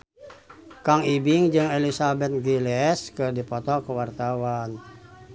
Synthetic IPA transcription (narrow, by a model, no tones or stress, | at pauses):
kaŋibɪŋd͡ʒɨŋelisabɛt̪̚ɡilɛskɨrdipɔt̪ɔkəwart̪awan